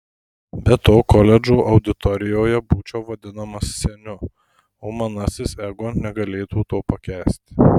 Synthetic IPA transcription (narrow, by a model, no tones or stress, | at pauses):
bʲɛt̪oːkɔlʲɛd͡ʒuːʔɐʊd̪ʲɪt̪ɔɾʲɪjoːjɛbuːt͡ʃʲɛːʋɐd̪ʲɪnɐmɐssʲɛnʲʊ | oːmɐnɐsʲɪsɛɡoːnʲɛɡɐlʲeːt̪uːt̪oːpɐkʲæːsʲt̪ʲ